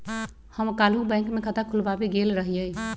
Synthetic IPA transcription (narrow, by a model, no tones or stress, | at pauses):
həmkalubə̃ɪ̃ŋkmekʰət̪akʰulbabeɡelɾəɦjəj